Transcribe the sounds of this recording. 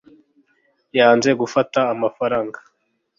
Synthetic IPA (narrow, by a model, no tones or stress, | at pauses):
jaːnze̞ɡufataːmafaɾaːŋɡḁ